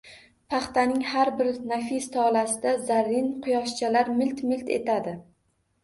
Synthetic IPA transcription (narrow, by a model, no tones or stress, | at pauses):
pʰɑχt̪ʰanɪŋhaɾbɪɾnafist̪ʰɒlasɪd̪azaɾːɪnqʰʊjɒʃt͡ʃʰalaɾmɪlt̪mɪlt̪ʰe̞̰t̪ʰad̪ɪ